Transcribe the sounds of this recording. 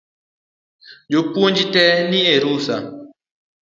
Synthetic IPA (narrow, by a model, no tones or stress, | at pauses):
d͡ʒopond͡ʒitɛnieɾusa